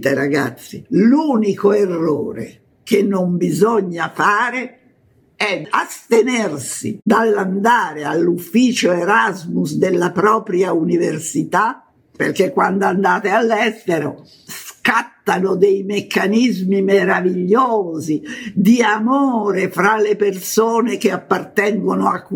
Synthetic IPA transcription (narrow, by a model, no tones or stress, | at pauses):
t̪eɾaɡa̰t̪sːḭluːnikoerːo̰ːɾḛ | kenːombizɔɲːafaːɾe | ɛa̰st̪enersḭd̪alːand̪aːɾealːufːiːt͡ʃoeɾazmusd̪elːapɾɔːpɾjauniversit̪a | pḛrkekːwand̪oand̪aːt̪ealːɛst̪eɾo̰ | skat̪ːanod̪ejmekːanizmimeɾaviʎːoːzid̪iamoːɾefɾalepersoːnekeapːart̪ɛŋɡonoakː